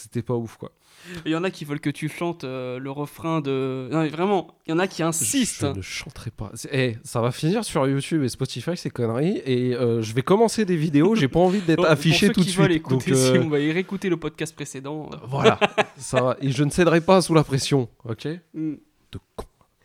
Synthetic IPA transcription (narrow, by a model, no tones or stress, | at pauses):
se̥t̪ɛpaufkwa̰ | jɑ̃nakʲivœlkət̪yʃɑ̃t̪øləʁəfχɛ̃d̪ənɔ̃mɛvʁɛmɑ̃jɑ̃nakʲʰiɛ̃sist̪ʒənəʃɑ̃t̪χɛpa̰sɛɛsavafiniʁsyʁjut̪ybespɔt̪ifajsɛkɔnʁieøʒəvɛkɔmɑ̃sed̪evid̪eoʒepaɑ̃vid̪ɛtχafiʃesut̪sviled̪ɔ̃t̪kvaiʁeekut̪eləpɔd̪̚kʲast̪̚pχesed̪ɑ̰̃vwalasavaʔeʒənəsɛd̪ʁɛpasulapχɛsjɔ̃ɔkʲe | d̪̥əkʰɔ̥̃